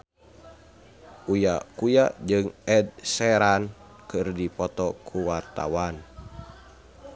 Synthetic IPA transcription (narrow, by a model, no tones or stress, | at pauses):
ʔujakujad͡ʒɨŋɛd̪̚sɛɾan | kɨrdipɔt̪ɔkʰuwart̪a̰wan